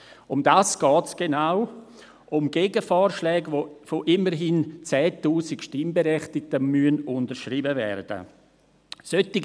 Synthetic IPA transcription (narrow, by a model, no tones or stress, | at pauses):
ʊmdaːsɡ̥ɔːtsɡ̥enaʊ | ʔʊmɡ̥eːɡəfɔːɾʃlɛːɡofoʔɪməɾɦɪnt͡sɛːtuːsɪkʃtɪmbeɾɛχtɪk̚təmyənʊntəɾʃribəvɛ̰rd̥ə̰ | sœtiɡ